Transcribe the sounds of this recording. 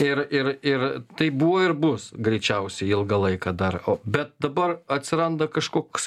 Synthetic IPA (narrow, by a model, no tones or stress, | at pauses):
ɪrɪrɪrt̪ɐɪbuʋoːɪɾbʊsɡɾʲɛɪt͡ʃʲɛʊsʲɛɪɪlˠɡɐlˠɐɪkɐd̪ɐroːbʲɛt̪̚d̪ɐbɐrɐt̪ʲsʲɪɾɐnd̪ɐkɐʃkoːks